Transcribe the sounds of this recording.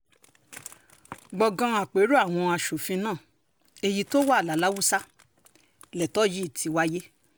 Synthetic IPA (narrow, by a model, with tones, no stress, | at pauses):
ɡ͡bɔ˨ɡã˧a˨k͡pe˨˦ɾu˦a˦˨w̃ɔ̃˧a˧ʃo˨fĩ˧nãː˦˨ | e˧ji˧to˦wa˦˨la˨˦la˨˦wu˦sa˦ | lɛ˨tɔ˦ji˦i˦˨tʰi˨˧wa˦je˦